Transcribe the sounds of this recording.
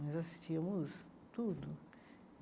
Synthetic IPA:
ɐjzasi̥st͡ʃiɐmʊs | t̪ud̪ʊ

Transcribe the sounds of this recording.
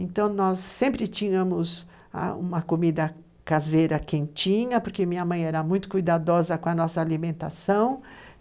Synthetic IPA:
ẽnt̪ɐ̃w̃nɔsːẽmpɾɪt͡ʃĩɲɐmʊz | a̰ũmɐkomid̪ɐ | kazejɾɐkẽnt͡ʃĩɲɐpoɾkemĩɲɐmɐ̃j̃ɛɾɐmũj̃t̪ʊ̥kujd̪ad̪ɔzɐkõɐnɔsɐːlimẽnt̪a̰sɐ̃w̃

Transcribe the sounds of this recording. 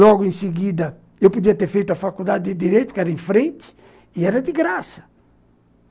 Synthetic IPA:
lɔɡuĩsiɡid̪ə | ewpud̪iat̪efejt̪uafakuld̪ad̪id̪id̪iɾejt̪u̥kaɾĩfɾẽnt̪i̥ | iɛɾad̪iɡɾasə̥

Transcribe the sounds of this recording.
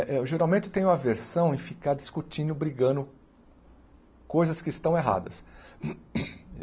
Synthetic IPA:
ʔɛʊʒeɾawmẽt̪ʊt̪ẽj̃ũmɐveɾsɐ̃w̃ẽfikaɾd͡ʒiskut͡ʃĩnd̪ʊbɾiɡɐ̃nd̪ʊ | kojzɐskɪɪst̪ɐ̃w̃eɦa̰d̪ɐs

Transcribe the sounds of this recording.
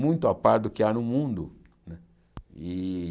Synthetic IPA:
mũj̃t̪ʊapaɾt̪̚d̪ʊkɪanʊmũnd̪ʊ | nɛ | i

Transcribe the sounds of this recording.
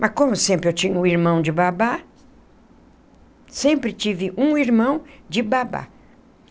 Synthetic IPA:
mʔɐskõmʊsẽmpɾɪewt͡ʃĩɲʊʊiɾmɐ̃w̃d͡ʒɪbaba | sẽmpɾɪt͡ʃivɪʔũiɾmɐ̃w̃d͡ʒɪbaba̰

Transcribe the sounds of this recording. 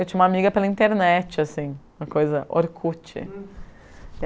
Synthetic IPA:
ewt͡ʃĩɲ̃ũm̃amiɡɐpelɐĩnt̪eɾnɛt͡ʃɪasĩũmɐkojzɐʔo̰ɾkʰut͡ʃɪ̰

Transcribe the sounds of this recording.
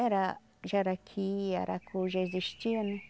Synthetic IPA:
eɾa | ʒaɾakʰia̰ɾa̰kʰuʒeziʃt͡ʃionẽ

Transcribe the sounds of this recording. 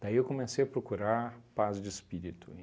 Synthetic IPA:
d̪aiewkõmesejɐpɾokuɾaɾpazd͡ʒɪɪspiɾit̪ʊ̰

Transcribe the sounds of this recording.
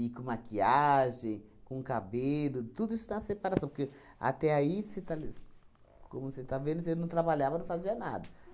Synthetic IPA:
ikõmakiaʒẽj̃kõkabelʊt̪ud̪ʊisʊ̥t̪ãɐsepaɾasɐ̃w̃poɾke | a̰t̪ɛaiset̪al | kʰõmʊset̪avẽnd̪ʊsewnɐ̃w̃t̪ɾabaʎavɐnɐ̃w̃faziɐna̰d̪ɐ

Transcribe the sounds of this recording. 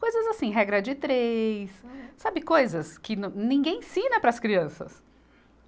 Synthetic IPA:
kojzɐzasĩɦɛɡɾɐd͡ʒɪt̪ɾejsːabɪkojzɐskɪnɐ̃nĩɡẽj̃sĩnɐpɾɐskɾiɐ̃sɐ̰s

